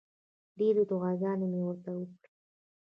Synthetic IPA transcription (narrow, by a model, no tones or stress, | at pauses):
ɖeɾed̪ʊɣaɡɑnemewəɾt̪awəkɽi